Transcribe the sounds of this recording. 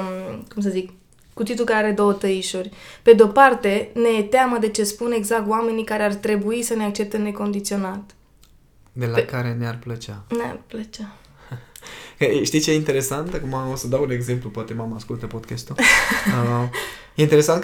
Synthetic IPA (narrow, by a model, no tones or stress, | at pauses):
kums̬əzik | kut̪it̪ukaɾeaɾe̞d̪o̞wət̪əiʃurʲpe̞d̪eo̞part̪e̞ne̞t̪eaməd̪e̞t͡ʃe̞spune̞ɡzak̚t̪oame̞nikaɾeart̪ɾe̞buisəneak̚t͡ʃe̞p̚t̪ene̞ko̞nd̪it̪sio̞nat̪ | d̪e̞lakaɾe̞nearplət͡ʃanea̰rplət͡ʃa | kəʃt̪it͡ʃeint̪e̞ɾe̞sant̪akumaosəd̪awune̞ɡze̞mplupoat̪e̞mamaskult̪əpod̪kast̪uləjeint̪eɾesant̪